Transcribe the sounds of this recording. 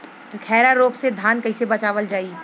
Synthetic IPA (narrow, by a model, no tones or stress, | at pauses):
kʰɛːɾaɾoːɡsed̪ʱaːnkɐɪsebɐt͡ʃaːʋəld͡ʒaːi